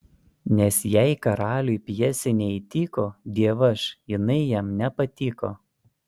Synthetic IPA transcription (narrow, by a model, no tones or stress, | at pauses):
nʲɛsjɛɪkɐɾɑːlʲuɪpʲjɛsʲɪnʲɛit̪ʲiːkoːd̪ʲiɛʋɐʃjɪnɐɪjɛmnʲɛpɐt̪ʲiːkoː